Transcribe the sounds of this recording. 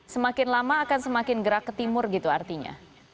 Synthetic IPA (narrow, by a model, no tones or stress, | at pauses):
səmakɪnlamaːkansəmakɪnɡəɾakːət̪imʊrɡit̪ua̰rt̪iɲa̰